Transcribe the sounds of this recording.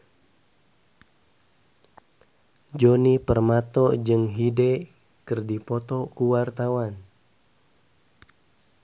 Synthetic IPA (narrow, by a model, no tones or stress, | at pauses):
d͡ʒonipərmat̪ɔd͡ʒɨŋɦide | kɨrdipɔt̪ɔkuwart̪awan